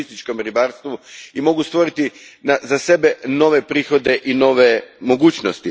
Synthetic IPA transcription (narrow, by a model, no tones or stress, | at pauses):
ist̪it͡ʃko̞mɾibaːɾst̪ʋuimo̞ɡust̪ʋo̞ɾit̪inazase̞be̞no̞ʋe̞pɾiːxo̞d̪e̞ʔino̞ʋemo̞ɡuːt͡ɕnost̪i